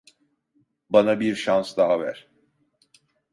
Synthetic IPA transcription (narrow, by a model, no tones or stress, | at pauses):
banabiɾʃansd̪aɦavæ̰ɾ̥